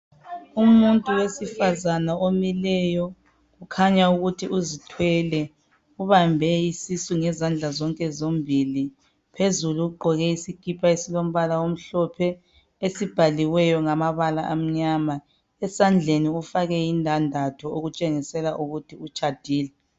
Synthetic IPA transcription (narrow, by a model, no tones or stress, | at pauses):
umuntʼuwesifazanaʔomilɛjɔ | ɣukʰaɲauɣutʰiʔuzitʰwɛlɛ | uβambʱɛisisuŋɛzand͡ɮʱazɔŋkʼɛzombʱili | pʰezuluuɡ͡ǃʱɔɣɛisikʰipʰaesilom̩βalawom̩ɬɔpʰɛ | esib̥ʱaliwɛjɔŋamaβalaʔam̩ɲama | ɛsand͡ɮʱeniufaɣɛjindʱandʱatʰuoɣut͡ʃʼeŋisɛlaʔuɣutʰiut͡ʃʼad̥ʱiːlɛ